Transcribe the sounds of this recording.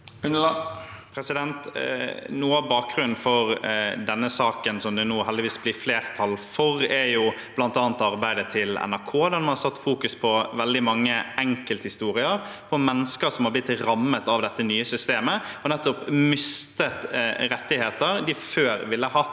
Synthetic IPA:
pʰɾɛsɪd̪ɛnt̪ | nuːɑbɑːk̚ɡɾʉnn̩fɔɾd̪ɛnːəsɑːkənsɔmd̪ɛnuːɦɛld̪ɪʋiːsblɪɾfleːɾt̪ʰɑlfɔɾɛɾjʊb̥lɑnt̪ɑːnt̪ɑɾbæɪd̪ət̪ʰɪlɛ̰næɾkʰoːd̪ɛnmɑnhɑɾsɑt̪ːfuːkʉspʰɔʋɛld̪ɪmɑŋːəɛŋkəlt̪hɪst̪uːɾɪəɾpʰɔmɛnːəskəɾsɔmhɑɾblɪt̪ːɾɑmːət̪ɑʋd̪ɛt̪ːənyːəsʏst̪eːməɔnɛt̪ːɔpmʏst̪ət̪ɾɛt̪ːɪheːt̪əɾd̪ɪføːɾʋɪlːəhɑ

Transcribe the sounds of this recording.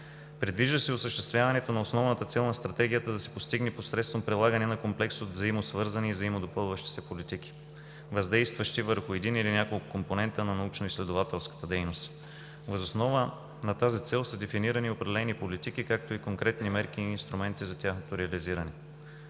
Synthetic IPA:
pɾid̪viʒd̪əsɛosəʃt̪ɛ̥st̪vʲjavɐnɛt̪onɐosnɔvnət̪ət̪sɛlˠnɐst̪ɾɐt̪ɛɡʲijət̪əd̪ɐsɛ̥post̪iɡnɛposɾɛt̪st̪vɐmpɾilˠaɡənɛnɐkomplɛksod̪zɐimosvɤɾzɐniːzɐimod̪opɤlˠvəʃt̪i̥sɛpolit̪ik̟i̥ | vɐzd̪ɛjst̪vəʃt̪ivəɾxʊɛd̪inilinʲjakolˠkʊkomponɛnt̪ənɐnɐut͡ʃnoislɛd̪ovat̪ɛlˠskə̥t̪əd̪ɛjnost̪ | vəzosnɔvə | nɐt̪azit̪sɛlˠsəd̪ɛfiniɾəniopɾɛd̪ɛlɛnipolit̪ikikak̚t̪oikoŋkɾɛt̪nimɛɾk̟iːnst̪ɾumɛnt̪izɐt̪ʲjaxnot̪oɾɛɐliziɾɐnɛ

